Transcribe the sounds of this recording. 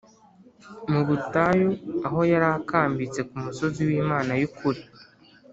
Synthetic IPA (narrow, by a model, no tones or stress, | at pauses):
muβutajoaɦo̞jaɾakaːmbit͡se̞kumuso̞ziwiːmaːnajukʰuɾi